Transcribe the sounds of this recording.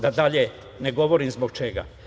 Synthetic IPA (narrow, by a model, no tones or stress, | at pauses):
d̪ad̪aʎe | ne̞ɡo̞ʋo̞ɾimzboɡt͡ʃe̞ɡa̰